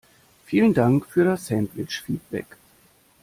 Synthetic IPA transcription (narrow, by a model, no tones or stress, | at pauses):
fiːləndaŋkfyːɐɾasɛmblɪt͡ʃfiːt̚b̥ɛ̰k